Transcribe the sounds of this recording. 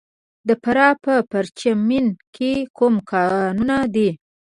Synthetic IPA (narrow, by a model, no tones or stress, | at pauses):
d̪əpaɾɑpəpaɾt͡ʃaminkʰekumkɑnunad̪i